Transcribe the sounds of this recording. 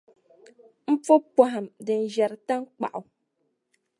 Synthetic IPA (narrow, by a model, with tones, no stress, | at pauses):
m̩˦fo˦pɔ˦ɦa˨mdɨ˨n̩˨ʒɛ˨ɾɨ˨ta˦ŋ̩˦k͡pa̰˨ʔu˨